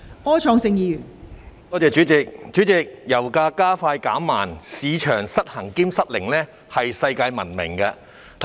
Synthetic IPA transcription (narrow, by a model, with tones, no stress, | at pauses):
ɔː˥t͡ʃʰɔː˧ŋsɪ˧ŋjiː˨˧jyː˨˩nt̪ɔː˥t͡sɛː˨˧t͡ʃyː˨˥t͡sɪ˨k̚t͡ʃyː˨˥t͡sɪ˨k̚jɐ˨˩wkaː˧kaː˥faː˧jka̰ː˨˥mːaː˨˩nsiː˨˧t͡ʃʰœː˨˩ŋsɐ˥t̚hɐ˨˩ŋkiː˥msɐ˥t̚lɪ˨˩ŋlɛː˥ | hɐ˨jsɐ˧jkaː˧jmɐ˨˩nmɪ̰˨˩ŋkɐ˧ | t̪ʰ